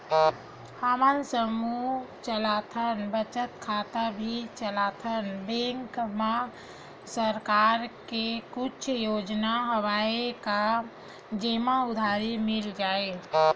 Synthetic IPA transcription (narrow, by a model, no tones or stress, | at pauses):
haːmansəmut͡ʃəlaːt̪ʰənbət͡ʃət̪kʰaːt̪abʱit͡ʃəlaːt̪ʰənbɛ̃ːŋkmã | səɾkaːɾkekʊt͡ʃʰjoːd͡ʒnaɦɐwaːeka | d͡ʒeːmaʊd̪ʱaːɾimɪld͡ʒaːe